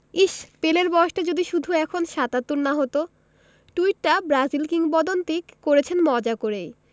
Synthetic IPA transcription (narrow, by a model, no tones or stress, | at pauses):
iʃpeleɾbɔeʃʈad͡ʑod̪iʃud̪ʱuɛkʰonʃat̪at̪ːuɾnaɦot̪o | ʈuiʈ̚ːabɾazilkiŋbɔd̪ont̪ikkoɾet͡ɕʰenmɔd͡ʑakoɾej